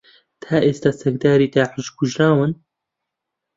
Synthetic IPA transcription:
t̪ʰaːʔeːst̪aːsɛk̚d̪aːɾiːt̪aːħɨʒkʰʊʒɾaːwɨn

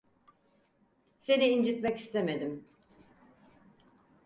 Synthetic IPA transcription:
se̞niːnd͡ʒit̪mɛci̥st̪ʰeme̞d̪im

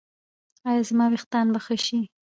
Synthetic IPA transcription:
ɑjɑzmɑwext̪ɑnbaxəʃi

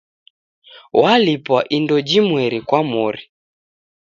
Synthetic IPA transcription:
walipwaʔindɔd͡ʒimwɛɾikwamɔɾi

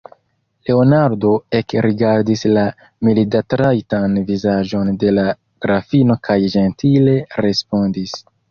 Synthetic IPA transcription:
le̞o̞naɾdo̞e̞kɾiɡaɾdisla | milidatɾajtanvizaʒo̞nde̞la | ɡ̥ɾafino̞kʰajʒe̞ntʰile̞ɾe̞spo̞ndis

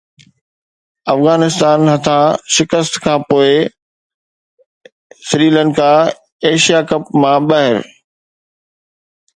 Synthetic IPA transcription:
ɐfɣaːnɪst̪aːnɦɐt̪ʰãʃɪkəst̪kʰãːpoːɪ | sɪɾiːlənɪ̆kʰã | eːʃijaːkɐp̚mãɓɐɦɪɾ

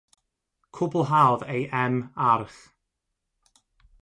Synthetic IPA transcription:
kʰʊbl̩ˠɦawðejʔɛmarθ

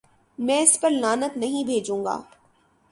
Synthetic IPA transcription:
mɛ̃ːɪspɐɾlaːnət̪nɐɦĩbʱeːd͡ʒũːŋɡa̰ː

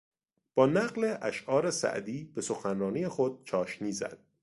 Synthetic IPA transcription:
b̥ɒːnæɢleʔæʃʔɒːɾesæ̰ʔd̪iːb̥e̞so̞xænrɒːniːjexod̪̥̚t͡ʃʰɒːʃniːzæ̰d̪̥̚

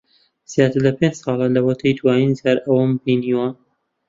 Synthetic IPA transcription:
z̥jaːt̪ɨɾlɐpẽnd͡ʒsˤɑːlˠɐlɐwɐt̪ʰɐjd̪waːninzjaːɾʔɐwɐmpiniwɐ

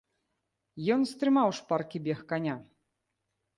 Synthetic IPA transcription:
jɔnst̪ɾɨmawʂparkʲibʲɛxkanʲa

